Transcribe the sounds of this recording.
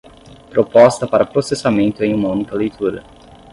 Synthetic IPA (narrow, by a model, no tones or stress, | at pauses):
pɾopɔst̪ɐpaɾɐpɾosesamẽnt̪ʊẽj̃ũmɐũnikɐlejt̪ʰuɾɐ̰